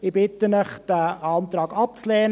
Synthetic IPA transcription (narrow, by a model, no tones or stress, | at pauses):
ɪb̥ɪt̪ənəχd̥æɑnt̪ɾɑːɡ̥ɑp̚t͡slɛːn